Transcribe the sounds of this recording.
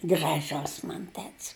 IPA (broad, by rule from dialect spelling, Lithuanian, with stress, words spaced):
ɡrɐˈʒʊs ˈmɐn ˈtʲɛtʲs